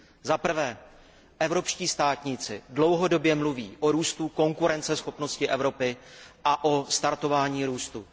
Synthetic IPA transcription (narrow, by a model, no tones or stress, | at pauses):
zapr̩vɛː | ʔɛvɾo̞pʃciːst̪aːt̪ɲɪt͡sɪdlo̞wɦo̞do̞bjɛmluviːʔoɾuːst̪uko̞ŋkuɾɛnt͡sɛsxo̞pno̞scɪʔɛvɾo̞pɪʔaʔost̪aɾt̪o̞vaːɲiːɾuːst̪u